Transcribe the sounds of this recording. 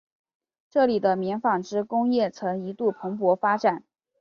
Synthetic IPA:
ʈ͡ʂɤ˥˩li˨˩d̪ə˦mjɛ˧˥nfɑ˨˩ŋʈ͡ʂɻ̩˥kʊ˥ŋjɛ˥˩t͡sʰɤ˧˥ŋi˧˥t̪u˥˩pʰɤ˧˥ŋpwɔ˧˥fa˥ʈ͡ʂa˨˩˦n

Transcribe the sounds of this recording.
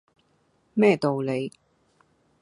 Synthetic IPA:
mɛː˥˩t̪o˨wle˨˧j

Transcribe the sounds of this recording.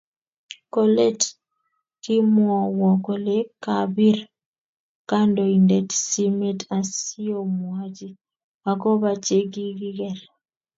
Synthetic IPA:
ko˦le˦t | ki˦mwɔ˨wɔ˨kɔ˨le˦ka˨bi˦r | ka˦ndɔ˨i˨ndɛ˨tsi˦me˦ta˨si˦o˦mwa˦d͡ʒi˦ | a˨kɔ˦ba˨t͡ʃe˦ɡi˦ɡi˦ɡɛ˨ɾ

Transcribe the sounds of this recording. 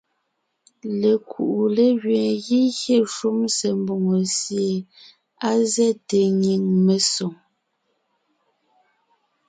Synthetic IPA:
le˨kʰṵ˨ʔu˨le˦ɣɥɛ̃ː˨ɣi˦ɣje˦˨ʃu˦mse˨mbo˦˨ŋo˨sje˨ | a˦zɛ˦te˨ɲi˨ŋme˨so˨ŋ

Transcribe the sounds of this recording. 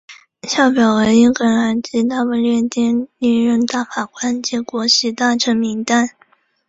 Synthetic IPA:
ɕjɑ˥˩ʊpjɑ˨˩ʊwe˧˥ɪi˥kə˧˥na˧˥nt͡ɕi˥t̪a˥˧pə˧lɥɛ˥˩nt̪jɛ˥˧ni˥˧ŋɻə˥˧nt̪a˥˩fa˨˩kwa˥nt͡ɕɛ˧˥kwɔ˧˥ɕi˧˥t̪a˥˩ʈ͡ʂʰɤ˧˥ŋmi˧˥ŋt̪a˥˩n

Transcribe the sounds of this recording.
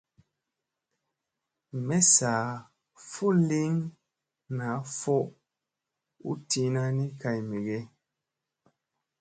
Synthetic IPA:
mɛ˦saː˨ | fo˦li˦ŋ | na˨˦fo˦ʔ | ṵ˦ti˦na˦ni˦ka˨jmi˨ɡe˦

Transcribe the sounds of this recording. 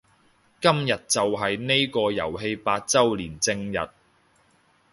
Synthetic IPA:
kɐ˥mjɐ˨t̚t͡sɐ˨wɦɐ˨jne˥jkɔː˧jɐ̰˨˩wɦe˧jpaː˧t̚t͡sɐ˥wliː˨˩nt͡sɪ˧ŋjɐ̰˨t̚

